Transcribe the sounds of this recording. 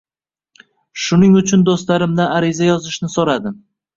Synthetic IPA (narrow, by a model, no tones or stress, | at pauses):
ʃʊnɪŋʊt͡ʃʰʊnd̪ost̪laɾɪmd̪aaɾɪzajɒzɪʃnɪsoɾad̪ɪ